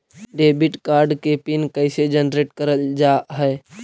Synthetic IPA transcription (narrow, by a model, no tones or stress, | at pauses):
ɖebiʈkaɾɖkepinkəɪsed͡ʒənɾeʈkəɾəld͡ʒaɦɛj